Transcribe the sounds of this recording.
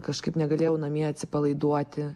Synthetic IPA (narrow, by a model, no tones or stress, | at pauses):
kɐʃkɐɪpnʲɛɡɐlʲeːjɛʊnɐmʲiɛɐt̪ʲsʲɪpɐlˠɐɪd̪uɔt̪ʲɪ